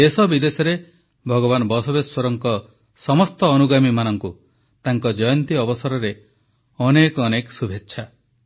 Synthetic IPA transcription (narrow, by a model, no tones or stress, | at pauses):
esɔbid̪esɔɾe | bʱɔɡɔβanɔbɔsɔbeswɔɾɔŋkɔ | sɔmɔst̪ɔːnuɡamimanɔŋku | t̪aŋkɔd͡ʒɔjɔnt̪iɔbɔsaɾɔɾe | ɔnekɔneksubʱetːʃʰa